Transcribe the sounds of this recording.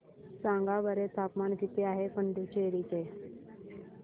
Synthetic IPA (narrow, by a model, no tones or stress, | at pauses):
sãŋɡaʋəɾet̪ʰapmankit̪eaɦekəɳɖut͡ɕeɾiːt͡ɕe